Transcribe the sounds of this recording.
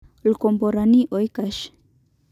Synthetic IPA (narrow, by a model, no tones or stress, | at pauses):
lkomboɾaniʔojkaʃ